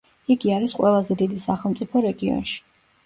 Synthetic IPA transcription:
iɡiaɾisqʼwɛlˠazɛd̪id̪isaχɛlˠmt̪sʼipʰɔɾɛɡiɔ̰nʃi̥

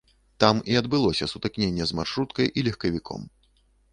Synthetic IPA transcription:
t̪amiɐd̪bɨlˠɔsʲɐsut̪ɨknʲenʲːɛzmarʂɾut̪kɐjʔilʲɛxkɐvʲikʰɔ̰m

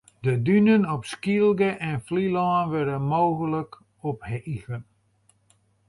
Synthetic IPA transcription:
dədynənɔpskilˠɡəʔɛnflilɔːnʋɛrdənmoːɣələk | ɔphəʔiɣən

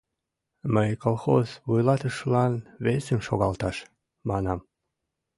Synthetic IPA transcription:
məjkolˠxozβujlɑt̪əʃlɑnβesemʃoɣɑlt̪ɑʃ | mɑnɑm

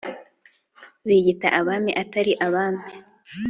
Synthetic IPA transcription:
βiɟitaʔaβamiʔataɾiʔaβaːmi

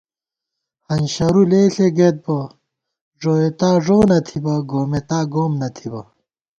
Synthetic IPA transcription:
hɐnɕɐɾuleːɬeɡet̪̚bɐ | ʐoːet̪aːʐoːnɐt̪ʰibɐɡoːmet̪aːɡoːmnɐt̪ʰibɐ

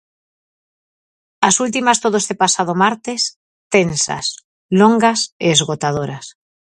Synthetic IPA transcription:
asult̪̬imast̪oðoest̪epasað̞omaɾt̪es | t̪ensa̰s | loŋɡaseːzɣot̪að̞oɾas

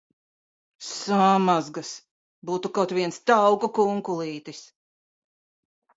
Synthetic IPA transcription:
samazɡas | buːt̪ukɔt̪viɛnst̪awkukuŋkulˠiːt̪is

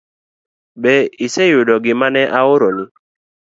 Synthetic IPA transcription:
bɛisɛjʊdɔɡɪmanɛʔaʊɾɔni

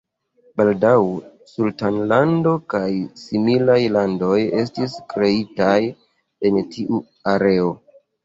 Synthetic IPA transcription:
baldaw | sultanlando̞kajsimilajlando̞je̞stiskɾe̞itaj | e̞ntʰiʔu | aɾe̞o̞

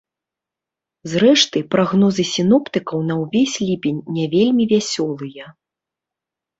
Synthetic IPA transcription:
zrɛʂt̪ɨpɾaɣnɔzɨsʲinɔpt̪ɨkɐwnɐwvʲesʲlʲipʲenʲːavʲelʲmʲivʲasʲɔlˠɨjɐ

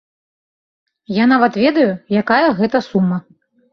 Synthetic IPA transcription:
janavɐt̪vʲɛd̪ɐjujakajɐɣɛt̪ɐsumːɐ

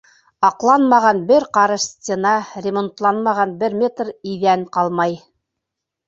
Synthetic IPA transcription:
ɑqlˠɑnmɑʁɑnbɘɾqɑɾɤʃsʲtʲenɑɾʲɪmont̪lˠɑnmɑʁɑnbɘɾmʲet̪riðæŋqɑlˠmɑj

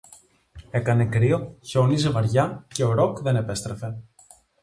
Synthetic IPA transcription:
e̞kɐnekɾio̞çeonizevɐɾʝɐce̞o̞ɾokðe̞nepe̞st̪ɾefe̞

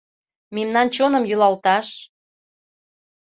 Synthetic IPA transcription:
memnɑnt͡ɕonə̆mjylɑlt̪ɑʃ

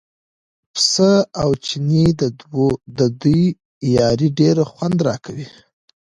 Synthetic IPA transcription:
psəawt͡ʃinid̪əd̪wod̪əd̪uj | jɑɾiɖeɾaxwand̪ɾɑkʰawi

